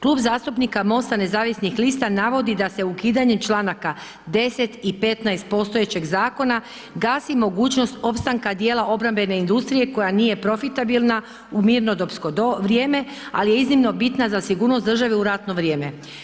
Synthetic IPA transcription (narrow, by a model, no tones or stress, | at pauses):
klˠuːbzaːst̪upnikamo̞st̪ane̞zaːʋisnixlist̪anaʋo̞d̪id̪ase̞ukiːd̪aɲemt͡ʃlˠaːnaka | d̪e̞set̪ipe̞t̪najst̪̚po̞st̪ojet͡ɕe̞ɡzaːko̞na | ɡaːsimo̞ɡuːt͡ɕno̞st̪o̞pst̪aŋkad̪jeːlaʔo̞bɾambe̞ne̞ind̪ust̪ɾije̞ko̞janiːje̞pɾo̞fit̪abilˠna | umiɾno̞d̪opskooɾjeːme̞ | alije̞iznimno̞bit̪nazasiɡuːɾnosd̪r̩ʒaʋeuɾat̪no̞ʋɾje̞ːme̞